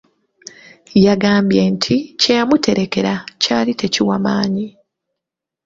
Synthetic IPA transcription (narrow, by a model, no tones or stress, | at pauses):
jaɡaːmbjentʰicejamutʰe̞ɾe̞ke̞ɾacaːlitʰe̞ciwamaːɲi